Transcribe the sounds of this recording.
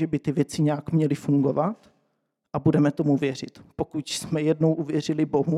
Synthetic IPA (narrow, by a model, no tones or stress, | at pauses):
ɛbɪt̪ɪvjɛt͡sɪɲɛakmɲɛlɪfuŋɡo̞vat̪ | ʔabudɛmɛt̪o̞muvjɛr̝ɪ̰t̪po̞kucsmɛjɛdno̞wʔuvjɛr̝ɪlɪbo̞ɦu